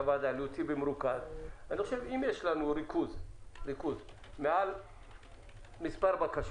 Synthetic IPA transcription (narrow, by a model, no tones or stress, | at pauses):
vad̪aliotibemɾukazaniχoʃevimjeʃlanuɾikuzɾikuz | meal | mispaɾbakaʃ